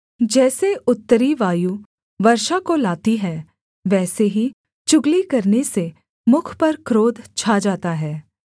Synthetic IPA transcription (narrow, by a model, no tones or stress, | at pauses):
d͡ʒɛːseʊt̪ːəɾiʋaːju | ʋɐɾʃakolaːt̪iɦɛː | ʋɛːseɦi | t͡ʃʊɡlikɐɾnese | mʊkʰpɐɾkɾoːd̪ʱt͡ʃʰad͡ʒaːt̪aɦɛː